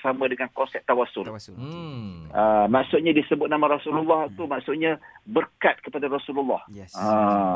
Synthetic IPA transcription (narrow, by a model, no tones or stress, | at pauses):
samãdəŋankɔnsɛp̚t̪awasʊl | əmaʔsʊʔ̪̚ɲãdisəbʊt̪̚namãɾasululːɔht̪umaksʊʔ̪̚ɲãbərkat̪̚kəpadaɾasululːɑ̰hã